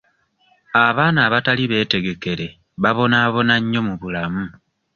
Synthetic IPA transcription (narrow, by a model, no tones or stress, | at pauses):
aβaːnaːβataliβe̞ːte̞ɡe̞ke̞ɾe̞ | βaβo̞naːβo̞naɲːo̞muβulamu